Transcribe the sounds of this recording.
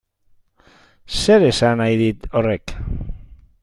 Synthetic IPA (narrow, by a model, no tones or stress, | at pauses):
se̞ɾe̞sanajðit̪o̞rek